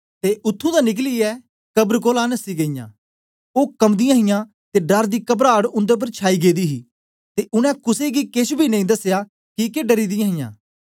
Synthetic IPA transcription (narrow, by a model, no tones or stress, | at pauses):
t̪eːʔʊt̪ʰːũːd̪aːnɪk̬liːɛː | kəbɾkoːlaːnəsːiːɡɐijã̰ː | oːkɐmd̪ɪjãːɦɪjãː | t̪eːɖɐɾd̪iːkəbɾaːɽʊ̃nd̪ep̬əɾt͡ʃʰaːiːɡeːd̪iːɦiː | t̪eːʔʊñɛ̃ːkʊseːɡikeʃbʱiːnɐ̃ĩd̪əsːejaː | kikeɖəɾiːd̪ɪjãːɦɪjã̰ː